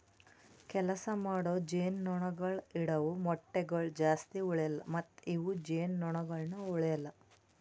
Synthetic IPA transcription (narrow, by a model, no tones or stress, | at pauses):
kɛlɐsɐmaːɽoːd͡ʒeːnːɔɳɐɡɐɭiɽɐʋumɔʈːeɡɐɭd͡ʒaːst̪iɔɭɛjɐlːɐ̰mɐt̪ːiʋud͡ʒeːnːɔɳɐɡɐɭnuɔɭɛjɐlːɐ